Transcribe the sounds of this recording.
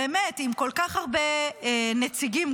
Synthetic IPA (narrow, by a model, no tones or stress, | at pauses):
emetimko̞lkaχaʁbeenet͡siɡim